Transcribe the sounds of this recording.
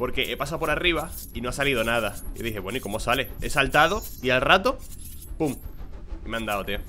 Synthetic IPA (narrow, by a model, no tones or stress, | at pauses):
po̞ɾke̞ʔepasawpo̞ɾariβ̞a | inoasaliðonað̞aḭðiɦeβwenoiko̞mo̞sale̞e̞̰salt̪aðo̞ialrat̪o | pumimeãnd̪awt̪e